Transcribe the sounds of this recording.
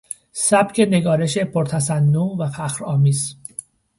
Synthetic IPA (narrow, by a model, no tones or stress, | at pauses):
sæb̥cʰe̞ne̞ɡɒːɾe̞ʃe̞pʰoɾt̪ʰæsænːovæfæxɾɒːmiːz